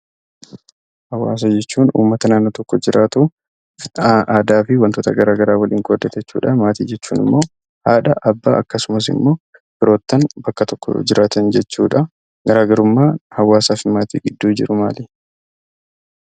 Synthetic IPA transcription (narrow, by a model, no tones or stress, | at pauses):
hɐwa̰ːs̬ɐd͡ʒɛt͡ʃːuːnṵːmːɐt̪ɐnaːnːoːt̪ɔkːɔd͡ʒɪɾʔaːt̪u | ʔaːd̪aːfɪwɐnt̪oːt̪ɐɡɐɾaːɡɐɾaːwɐlʔɪŋkʼoːd̪ːɐt̪ɛt͡ʃːṵːᶑɐmaːt̪ḭːd͡ʒɛt͡ʃːṵːnɪ̰mːo̞ː | haːᶑɐʔɐbːaːʔɐkːɐsʊmɐs̬ɪ̰mːo̞ː | bɪɾo̞ːt̪ːɐnbɐkːɐt̪ɔkːɔ̰d͡ʒɪɾʔaːt̪ɐnd͡ʒɛt͡ʃːṵːᶑɐ | ɡ̥ɐɾaːɡɐɾʊmːaːhɐwːaːsaːfɪmaːt̪ḭːɡɪd̪ːuːd͡ʒɪɾʊma̰ːlɛ